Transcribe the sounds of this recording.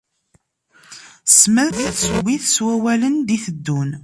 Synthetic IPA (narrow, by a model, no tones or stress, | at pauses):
smæðθsuwiθswæwælənd̪iθəd̪ːun